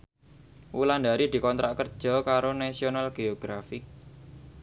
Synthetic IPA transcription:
wuland̪a̤ɾid̪̥i̤kɔnt̪ɾaʔkərd̥ʒ̥ɔ̤kaɾonasionalɡ̥eoɡ̥ɾafɪk̚

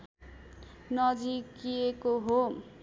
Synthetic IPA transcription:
nʌd͡zikiekoɦo

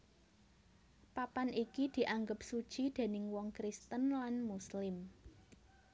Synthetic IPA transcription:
papanʔikid̪̥i̤ʔaŋɡəp̚su̥ʒ̥id̪̥e̤nɪŋwɔŋkɾist̪ənlanmuslɪm

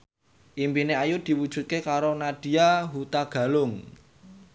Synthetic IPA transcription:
ʔimpineajʊd̪̥i̤wud̥ʒ̥ṳt̪̚kekaɾonad̥i̤aɦut̪aɡ̥ä̤lʊŋ

